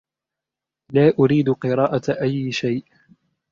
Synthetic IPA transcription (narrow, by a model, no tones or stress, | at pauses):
laːʔʊɾiːd̪qɨɾɑːʔaʔajːʃajʔ